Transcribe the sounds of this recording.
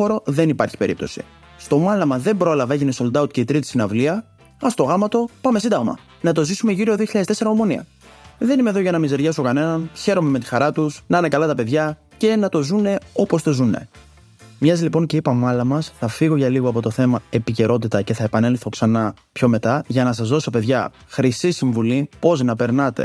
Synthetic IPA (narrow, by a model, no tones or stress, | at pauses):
oɾo̞ðe̞nipɐɾçi̥pe̞ɾḭp̚t̪o̞̰sḭ | st̪o̞mɐlɐmɐðe̞mbɾo̞lɐvɐe̞ʝineso̞ld̪ɐut̪̚ceit̪ɾit̪isinɐvliɐ | ɐst̪o̞ɣɐmɐt̪o̞pɐmesind̪ɐɣmɐ̰ | nɐt̪o̞zisumeʝiɾioðioçiʎɐðet̪ese̞ɾɐomo̞niɐ̰ | ðe̞nime̞ðoʝɐnɐmize̞ɾʝɐso̞kɐne̞nɐnçe̞ɾo̞me̞me̞t̪ixɐɾɐt̪usnɐnekɐlɐt̪ɐpe̞ðʝɐ | ce̞nɐt̪o̞zune̞o̞po̞st̪o̞zune̞̰ | mɲɐzilipo̞ɲce̞ipɐmɐlɐmɐsθɐfiɣo̞ʝɐliɣoɐpo̞t̪o̞θe̞mɐe̞pice̞ɾo̞t̪it̪ɐce̞θɐepɐne̞lθo̞ksɐnɐ | pço̞me̞t̪ɐʝɐnɐsɐzðo̞so̞pe̞ðʝɐ | xɾisisiɱvulipo̞znɐpe̞ɾnɐt̪e̞̰